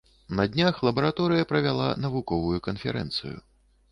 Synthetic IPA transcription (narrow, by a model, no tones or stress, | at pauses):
nɐd̪ʲnʲaxlˠɐbɐɾat̪ɔɾɨjɐpɾɐvʲalˠa̰nɐvukɔvujukɐnfʲɛ̰ɾɛ̰nt̪sɨ̰jṵ